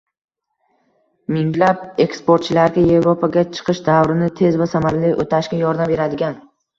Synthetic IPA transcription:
mɪŋlap̚e̞kspoɾt̪̚t͡ʃʰɪlaɾɡʲaje̞vɾopʰaɡʲat͡ʃʰɨ̥qʰɨʃd̪avɾɪnɪt̪ʰe̞zvasamaɾlijʔot̪ʰaʃkʲajɒɾd̪ambe̞ɾad̪ɪɡʲan

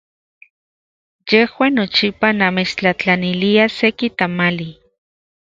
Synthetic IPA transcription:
jehwaːnːot͡ʃipanamet͡ʃt͡ɬat͡ɬaniliasekit̪amali

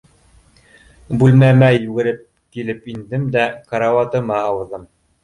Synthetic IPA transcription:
bʉlmæmæjʉɡɘ̆ɾɘp̚ | kilɘpind̪ɘmd̪ækaɾɑwɑt̪ɤ̆mɑːwɤ̆ɾðɤm

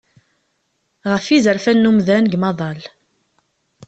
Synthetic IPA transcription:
ʁəfizəɾfænːumðænɡmɑðˤɑl

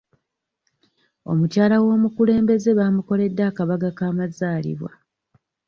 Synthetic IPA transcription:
o̞̰mucaːlawo̞ːmukule̞ːmbe̞ze̞βaːmuko̞le̞dːakaβaɡakaːmazaːlḭβwa̰

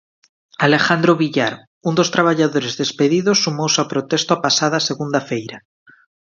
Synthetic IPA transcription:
alexand̪ɾoβiʎaɾ | und̪ost̪ɾaβ̞aʎaðoɾezðespeðiðosːumowsawpɾot̪est̪oapasað̞aseɣund̪afejɾa

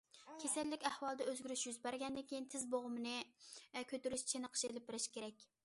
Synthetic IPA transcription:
kʲʰesɛlːɪkʲæhwɑlˠd̪ɛøzɡʲyɾyʃjyzbæɾɡʲɛnd̪ɪkʲʰejint̪ʰɪzboʁʊmɨnɨkʲʰøt̪yɾyʃt͡ʃʰenəqʰə̥ʃelɪp̚bɪɾɪʃkʲʰeɾɛkʲ

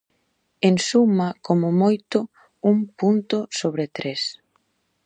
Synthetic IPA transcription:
ensumakomʊmojt̪ʊ | uŋpunt̪ʊsoβ̞ɾet̪ɾes

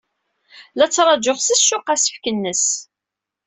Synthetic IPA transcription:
læt͡sːɾˤɑd͡ʒoχsisʃʊqæsə̥fkənːəs

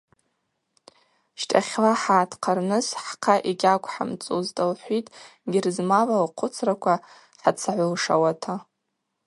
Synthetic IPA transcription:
ʃtʼʰa̰χʲlaħaːtʰqʰarnɨsħqʰaʔiɡʲakʷʰħa̰mt͡sʼuzdʼalħʷitʼɡʲɪrzmavalqʷʰʊt͡sʰrakʷʰa | ħat͡sʰaʕʷalʂawatʰa

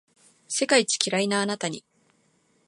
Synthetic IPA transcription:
se̞kait͡ɕi̥kʲiɾainaːnat̪aɲ̟ḭ

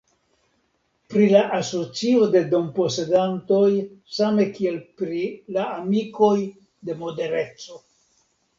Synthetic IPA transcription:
pɾilaʔaso̞t͡sio̞de̞do̞mpo̞se̞danto̞jsame̞kie̞lpɾilaamiko̞j | de̞mo̞de̞ɾe̞t͡so̞

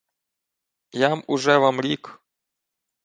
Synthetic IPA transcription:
jamʊʒɛʋamɾʲik

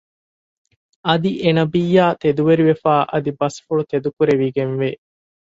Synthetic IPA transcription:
ɐd̪iʔenɐbijːaːt̪ed̪uʋeɾiʋefaːʔɐd̪ibɐsfuɭut̪ed̪ukuɾeʋiɡenʋe

